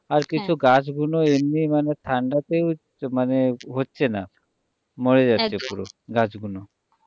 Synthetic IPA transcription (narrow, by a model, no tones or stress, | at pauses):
aɾkit͡ɕʰuɡat͡ɕɡunoemnimanet̪ʰaɳɖat̪ew | maneɦotːɕʰena̰ | mɔɭed͡ʑatːʃʰepuɾoɡad͡ʑɡuno